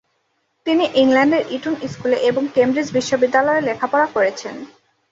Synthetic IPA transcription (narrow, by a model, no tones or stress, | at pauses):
t̪iniʔiŋlɛɳɖeɾʔiʈuniskuleʔeboŋkembɾid͡ʑbiʃːobid̪ːalɔelekʰapɔɾakoɾet͡ɕʰen